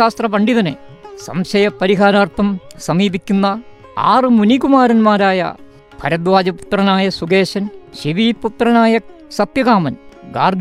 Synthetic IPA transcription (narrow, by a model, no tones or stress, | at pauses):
aːst̪rɐpɐɳɖiðɐnḛsɐ̰mɕɐjɐpːɐɾiɦaːɾaːrt̪ʰːɐmsɐmiːbikʲːunːɐ | a̰ːrɨmunikumaːɾɐnmaːɾaːjɐ̰ | pʰɐ̰ɾɐd̪ʋaːd͡ʑɐpu̥t̪rɐnaːjɐsuɡeːɕɐnɕiʋiːput̪rɐnaːjɐ | sɐpjɐɣaːmɐnɡa̰ːrɡ